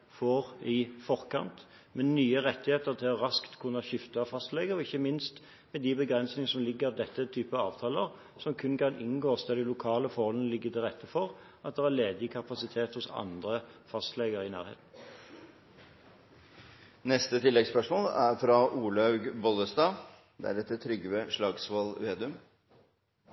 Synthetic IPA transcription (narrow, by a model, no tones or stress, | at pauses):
fɔːʁɪfɔʁkʰɑ̰nt̪ | mɛnyːəʁɛt̪ːɪheːt̪əʁt̪ʰɪlɔʁɑskt̪kʰʉnəʃɪft̪ɑfɑst̪leːɡəʁɔɪçːəmɪnst̪ | mɛd̪ɪbəɡʁɛnsnɪŋəsɔmlɪɡːəʁd̪ɛt̪ːət̪ʰyːpəɑ̰ːʋt̪ʰɑːləʁ | sɔmkʰʉnkʰɑnɪnɡoːsd̪ɛd̪ɪlʊkʰɑːləfɔʁhɔlənəlɪɡːət̪ʰɪlʁɛt̪ːəfɔʁ | ʔɑt̪̚d̪ɛʁæleːd̪ɪkʰɑpɑsɪt̪ʰeːt̪hʊsɑ̰nd̪ʁəfɑst̪leːɡəɾəɪnæ̰ːʁḛːt̪n̩ | nɛst̪ət̪ʰɪlːɛɡspœʂmoːlæɾfɾɑʔuːlɑʉɡbɔləst̪ɑː | d̪̥ɛ̰æ̰ɖɛt̪ːət̪ʰɾʏɡəʋɛʂɭɑːɡsʋɑlʋeːd̪ʉm